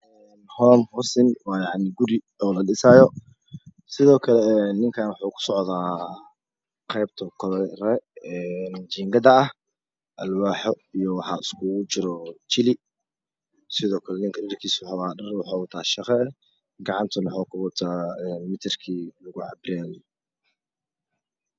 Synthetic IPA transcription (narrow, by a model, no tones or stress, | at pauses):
ɛ | nhɔːmhɔsɪnwɑːjɑʕnɪɡʊɾi | ɔːlɐɗɪsaːjɔ | sɪðɔːkʰɐlɛnːɪŋkʰaːnwɑħuːkʰʊ̥sɔʕðaː | qɛjb̚t̪ʰɐkʰɔlrɛɛnt͡ʃiːŋɡɐðɐɐh | ʔɐlwaːħɔ | ijɔwɑħɑ̰ːɪskʰut͡ʃɪɾɔt͡ʃɪlɪ | sɪðɔːkʰɐlɛnɪŋkʰɐdɐrkʰiːsʊħɑwaːdɐrwʊħɑːwʊt̪ʰaːʃɑqɛ | ɡɑʕɑnt̪ʰɐnʊħaːkʰʊwʊt̪ʰaːɛːnmɪt̪ʰɪrkʰiːlɐɣʊʕɑ̰brɛːj